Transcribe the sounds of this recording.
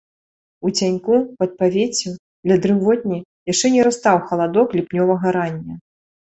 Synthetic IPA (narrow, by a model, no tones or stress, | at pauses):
ut͡sʲanʲkupɐt̪̚pavʲet͡sʲu | d̪lʲɐd̪ɾɨvɔd̪̚ʲnʲi | jaʂt͡ʂɛnʲɛɾast̪awxɐlˠad̪ɔklʲipnʲɔvɐɣɐɾanʲːɐ